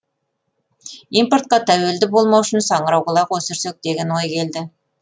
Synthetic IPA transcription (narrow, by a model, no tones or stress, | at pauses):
impoɾt̪̚qɑt̪ʰæwe̞ld̪ɪbo̞lˠmɑwʃɪnsɑɴəɾɑwʁəlˠɑqwosɪɾsek̚d̪e̞ɡʲe̞nwo̞jkʲʰe̞ld̪ɪ